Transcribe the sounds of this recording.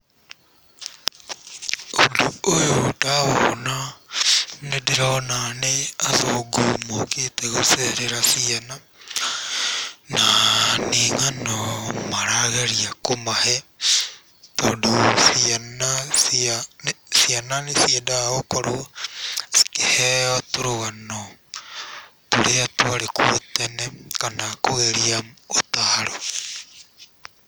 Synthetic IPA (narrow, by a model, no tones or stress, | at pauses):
oduojodaona | nedeɾaɔnaneazoɡomoketeɣoseɾeɾasiana | naneŋanɔmaɾaɣeɾiakomahɛ | todusianasia | siananesiadaokoɾo | si̥keheotuɾoɣano | tuɾeatuaɾekutenekanakoɣeɾiaotaɾo